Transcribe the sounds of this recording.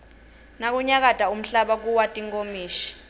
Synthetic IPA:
nak̬uɲak̬adʼʱaum̩ɬaɓak̬uwatʼiŋkʼomiːʃi̥

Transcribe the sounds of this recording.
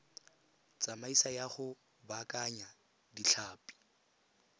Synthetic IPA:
t͡sʼamaisajaχʊ | bakʼaɲa | diɬʰaːpʼi̥

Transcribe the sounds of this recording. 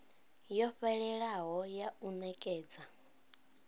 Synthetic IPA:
jɔɸɛɺɛɺaɦɔjaunɛkʼɛːd͡za

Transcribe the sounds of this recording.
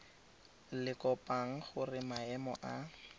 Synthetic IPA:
lɪkɔpaŋ̩χʊrɪmaɛmɔ̰ʔa

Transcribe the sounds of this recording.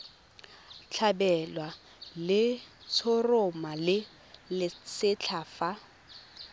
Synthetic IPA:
t͡ɬʰabɛlwa | lɪt͡sʰʊrʊmalɪ | lɪt͡sɪt͡ɬʰafa

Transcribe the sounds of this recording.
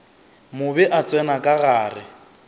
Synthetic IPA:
mʊbɛʔat͡sʼɛnakʼaɣaːrɪ

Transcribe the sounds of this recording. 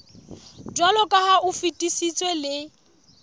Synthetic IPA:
dwalɔkʼahaʔʊfitʼisit͡sʼwelɪ

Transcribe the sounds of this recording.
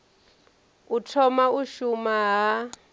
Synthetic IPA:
utʰɔmauʃumaɦa

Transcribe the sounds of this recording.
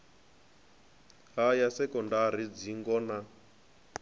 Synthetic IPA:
ɦajasɛkɔndaɾ̤id͡ziŋɡɔna

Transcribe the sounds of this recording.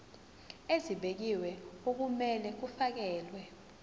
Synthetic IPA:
eziɓek̬iwɛok̬umɛlɛk̬ufak̬ɛːlwɛ

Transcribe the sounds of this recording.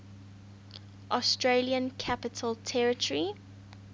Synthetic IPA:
ʔɔstɹeliə̃nkʰapɪtʰəlˠtʰɛɹɪtəɹi

